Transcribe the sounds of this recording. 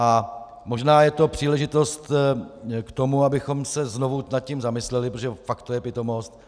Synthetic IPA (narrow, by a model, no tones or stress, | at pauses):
ʔa | mo̞ʒnaːjɛt̪o̞pr̝̥iːlɛʒɪt̪o̞st̪ | kt̪o̞muabɪxo̞msɛzno̞vunat̪̚cimzamɪslɛlɪpɾot̪oʒɛfakt̪ːojɛpɪt̪o̞mo̞st̪